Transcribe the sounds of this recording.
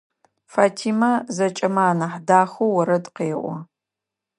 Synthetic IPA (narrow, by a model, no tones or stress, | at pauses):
faːtʰiːmɐzɐt͡ʃʼɐmaːnɐħdaːxowɐɾɐdqeːʔʷɔ